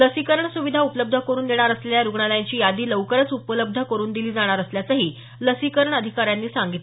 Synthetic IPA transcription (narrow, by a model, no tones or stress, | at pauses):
ləsikəɾəɳsuʋid̪ʱaupələb̚d̪ʱəkəɾuːnd̪eɽ̃aɾəsleljaɾuɡɳalaaɲt͡ɕiːjad̪iːləʋkəɾət͡supələb̚d̪ʱəkəɾuːnd̪iliːd͡zaɽ̃aɾəsljat͡səɦiː | ləsikəɾəɳəd̪ʱikaɾjanːiːsaŋɡit̪l